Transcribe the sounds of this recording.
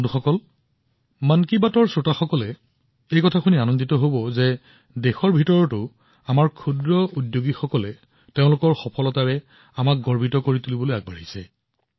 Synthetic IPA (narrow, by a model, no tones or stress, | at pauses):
duxɔkɔl | mankibatɔɹsɹotaxɔkɔlɛ | ejkɔtʰakʰunianɔnditɔɦobɔzɛ | dexɔɹbʱitɔɹɔtʊ | amaɹkʰudɹɔudjoɡixɔkɔlɛ | teʊ̃lʊkɔɹxɔpʰɔlɔtaɹɛ | amak̚ɡɔɹbʱitɔkoɹitulibɔlojaɡ̚baɹisɛ̰